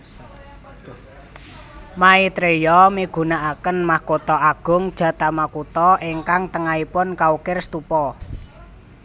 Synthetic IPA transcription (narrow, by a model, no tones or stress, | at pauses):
mait̪ɾejɔmiɡ̥ṳnaʔakənmahkot̪ɔaɡ̥ʊ̤ŋd̥ʒ̥ä̤t̪amakut̪ɔʔiŋkaŋt̪əŋaipʊnkaukɪrst̪upɔ